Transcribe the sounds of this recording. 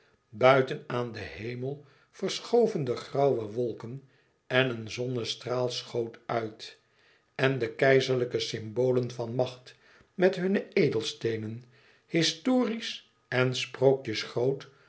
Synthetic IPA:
bœɥtənaːndəhejməlˠ | fəɹsχowvəndəχrɑwʋəʋɔlˠkən | ɛnənzɔnəstraːlˠsχowtœɥt | ɛndəkɛjzəɹləkəsɪmbowlənvɑnmɑχt | mɛtɦɵnəejdəlˠstejnən | hɪstoːris | ɛnsprowkjəsχrowt

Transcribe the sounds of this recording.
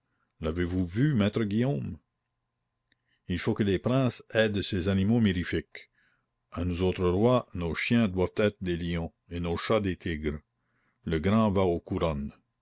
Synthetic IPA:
lavevuvymɛːt̪ɾəɡijoːm | ilfokəlepɾɛ̃ːsɛːd̪sezanimomiɾifɪk | anuzoːt̪ɾəʁwanoːʃjɛ̃d̪wavt̪ɛːt̪ɾəd̪eljɔ̃ | enoːʃad̪et̪ʰiɡɾ | ləɡɾɑ̃vaokuɾɔn

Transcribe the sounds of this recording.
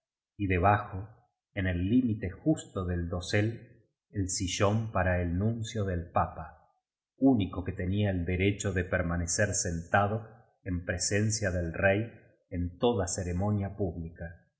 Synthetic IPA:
iðe̞β̞axo | ene̞lːimit̪e̞xust̪oðe̞ld̪o̞sel | elsiʒo̞mpaɾaelnũnsjo̞ðe̞lpapa | unikoket̪e̞niaeld̪eɾet͡ʃo̞ðepeɾmaneseɾse̞nt̪að̞o | empɾese̞nsjaðelrej | ent̪o̞ðaseɾemo̞njapuβlika

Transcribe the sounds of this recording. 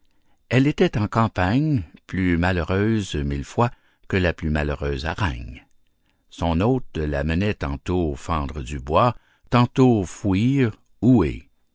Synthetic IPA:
ɛlet̪ɛt̪ɑ̃kɑ̃paɲplymaləʁøːzmilfwa | kəlaplymaløʁøːza̰ʁɛ̰ɲ | sɔ̃noːt̪la̰mənɛt̪ɑ̃t̪ofɑ̃ːd̪ʁəd̪ybwa | t̪ɑ̃t̪ofwiːʁ | uḛ

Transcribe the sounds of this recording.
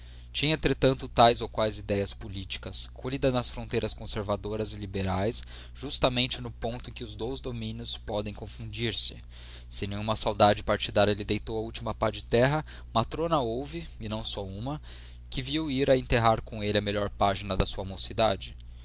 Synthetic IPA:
t͡ʃĩɲɐẽnt̪ɾet̪ɐ̃nt̪ʊt̪ajzowkwajzid̪ɛjɐspolit͡ʃi̥kɐskʰoʎid̪ɐnɐsfɾõnt̪ejɾɐskõseɾvad̪oɾɐzɪlibeɾajs | ʒ̥ust̪ɐmẽnt͡ʃɪnʊpõnt̪ʊẽkʲɪʊzd̪ojzd̪omĩnjʊspɔd̪ẽj̃kõfũnd͡ʒiɾsɪ̥ | sɪẽnẽj̃ɲ̃ũmɐsawd̪ad͡ʒɪpaɾt͡ʃid̪aɾjɐelɪd̪ejt̪owɐut͡ʃimɐpad͡ʒɪt̪ɛɦɐ | mat̪ɾõnɐowvɪɪnɐ̃w̃sɔũmɐ | kɪviwiɾɐẽnt̪eɦaɾkõelɪɐmeʎɔɾpaʒinɐd̪ɐsuɐmosid̪ad͡ʒɪ

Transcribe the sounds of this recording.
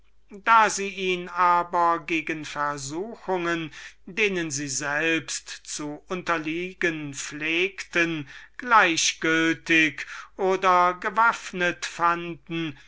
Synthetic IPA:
daːziːiːnaːbɐɡeːɡənfɛɐzuːxʊŋəndeːnənziːzɛlpstt͡suʔʊntɐliːɡənfleːktənɡ̥laɪɕɡ̥ʏltɪkʔoːdɐɡəvafnətfandn̩

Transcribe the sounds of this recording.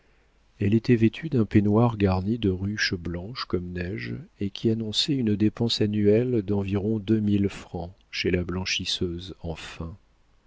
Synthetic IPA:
ɛlet̪ɛvet̪ʰyd̪ɛ̃penwaʁɡaʁnid̪əʁyʃblɑ̃ʃkɔmnɛʒekʲʰianɔ̃sɛynd̪epɑ̃sanyɛld̪ɑ̃viʁɔ̃d̪ømilfχɑ̃ | ʃelablɑ̃ʃisøzɑ̃fɛ̃

